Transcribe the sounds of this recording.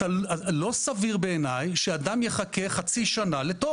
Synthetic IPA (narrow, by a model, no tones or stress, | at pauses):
alosaviʁbeenajʃead̪amje̞χakeχat͡siʃanalet̪o